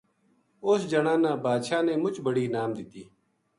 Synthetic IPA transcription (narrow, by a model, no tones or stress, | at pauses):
ʊsd͡ʒɐɽãːnãːbaːd̪ʃaːnẽːmʊt͡ʃbəɽiːnaːmd̪ɪt̪iː